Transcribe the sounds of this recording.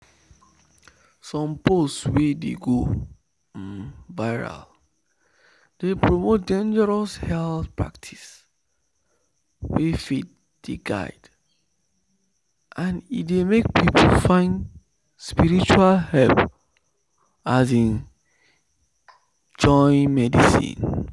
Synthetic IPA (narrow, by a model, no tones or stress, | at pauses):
sɔ̃mpotswedḛɡo | nvaɪɹa̰l | d̥epɹomot̚dẽnd͡ʒəɹɔshɛlθpɹa̰k̚tʰi̥s | wefet̚ | d̥eɡa̰ɪd̥ | ʔãnitdemek̚pipʰolfãɪ̃nd | spiɹit͡ʃualhɛlp | az̬ĩn | d͡ʒɔ̃ɪ̃nmɛdisḭ̃n